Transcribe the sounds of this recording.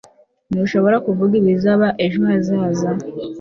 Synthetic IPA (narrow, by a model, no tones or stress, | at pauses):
niʃo̞βo̞ɾakuvuɡiɾizaβaʔeʒuazaːza